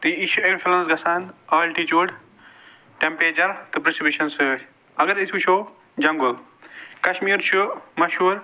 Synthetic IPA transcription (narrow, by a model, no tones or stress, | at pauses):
t̪iiʃuinfulɐnsɡɐsaːnɐːlʈit͡ʃuːɖ | ʈempeːt͡ʃɐɾt̪ɨpɾisibʲiʃɐnsɨ | ɐɡɐɾisuʃʰoː | d͡ʒɐ̃ŋɡu | kɐʃmiːɾt͡ʃʰumɐʃuːɾ